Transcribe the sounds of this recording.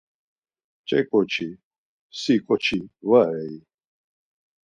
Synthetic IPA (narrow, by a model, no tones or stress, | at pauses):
t͡ʃʼɛkʼɔt͡ʃʰi | sikʼɔt͡ʃʰivaɾɛi